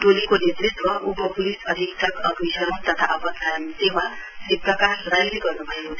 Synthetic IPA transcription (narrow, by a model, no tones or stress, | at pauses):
ʈolikonet̪rit̪wʌʔupʌpulisʌd̪ʱiksʌkʌɡisʌɾʌmt̪ʌt̪ʰaʔʌpʌsʰajʌmsema | sipɾʌkasɾajleɡʌrnubʱʌje